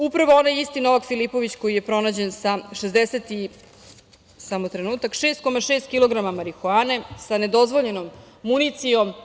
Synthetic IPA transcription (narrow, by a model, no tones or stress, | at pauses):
upɾaʋoonajist̪ino̞ʋakfilipo̞ʋit͡ɕko̞jije̞pɾo̞naːd͡ʑe̞nsaʃezd̪eset̪i | samot̪ɾe̞nuːt̪akʃeːst̪̚ko̞maʃeːst̪kilo̞ɡɾamamaɾixuaːne̞sane̞d̪o̞zʋo̞ʎe̞nomːunit̪sijo̞m